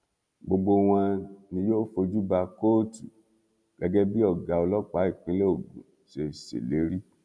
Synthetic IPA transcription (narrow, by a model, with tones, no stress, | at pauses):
ɡ͡bo˧ɡ͡bo˧w̃ɔ̃˧nĩ˧joː˦fo˧d͡ʒu˦ba˧ko˦˨tu˨ | ɡ̥ɛ˨˦ɡɛ˦bi˦ɔ˦˨ɡa˨o˧lɔ˦k͡pa˨˦i˦˨k͡pĩ˦le˦o˦˨ɡṵ̃˨ | ʃe˧˨sḛ˨le˨˦ɾi˦